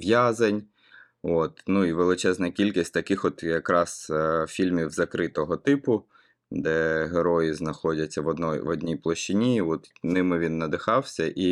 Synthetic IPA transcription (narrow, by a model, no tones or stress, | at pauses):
ʋjazɐnʲ | ɔt̪nuiʋelˠɪt͡ʃɛznɐkʲilʲkʲisʲtʲt̪ɐkɪxɔt̪jɐkɾɑsfʲilʲmʲiwzɐkɾɪt̪ɔɦɔt̪ɪpʊ | d̪ɛɦeɾɔjɪznɐxɔdʲɐt͡sʲːɐʋɔd̪nɔjʋɔdʲnʲijplˠɔʃt͡ʃɪnʲiɔt̪nɪmɪʋʲinːɐd̪ɪxɑwsʲɐʔi